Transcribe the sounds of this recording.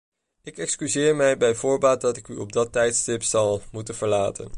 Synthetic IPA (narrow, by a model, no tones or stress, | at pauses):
ɪkɛkskyzɪːɹmɛjbɛjvʊːɹbaːt̚dɑtɪkyɔb̚dɑtɛjtstɪpsɑlˠmutənv̥əɹla̰ːtə̰n